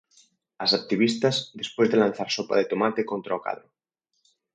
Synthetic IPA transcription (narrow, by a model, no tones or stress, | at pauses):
asak̚t̪iβist̪azðespwezðelãn̟θaɾsopa̰ðet̪omat̪ekont̪ɾaoka̰ðɾo